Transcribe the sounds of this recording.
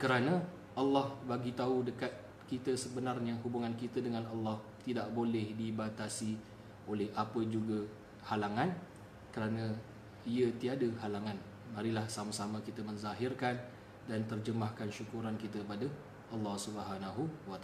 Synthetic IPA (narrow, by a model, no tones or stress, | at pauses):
kəɾanã | ʔalːɔhbaɡit̪audəkat̪̚ | kit̪əsəbənarɲaɦubuŋankit̪ədəŋãnalːɑh | t̪idaʔbolɛhdibat̪asi | olɛhapəd͡ʒuɡa | halaŋãn | kəɾanã | iət̪iadəhalaŋãn | maɾilahsamasamãkit̪əmə̃nzaɦirkan | dant̪ərd͡ʒəmahkanʃukuɾankit̪əpada | ʔɑlːɑhsubəɦanaɦuwat̪a